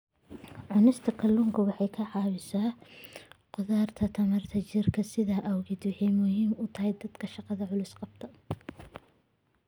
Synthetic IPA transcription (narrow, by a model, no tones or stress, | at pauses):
ʕʊnɪst̪ʰɐkʰɐlʊŋkʰɐwɑħɑjkʰɐʕɑːwɪsaː | qʊðaːrt̪ʰɐt̪ʰɐmɐrt̪ʰɐt͡ʃɪrkʰɐsɪðaʔɐwɣɪd̪wɑħɛjmʊɦiːmʊt̪ʰɐɦɛjd̪ɐd̪kʰɐʃɑqɑðɐʕʊlɪsqɑb̚t̪ʰɐ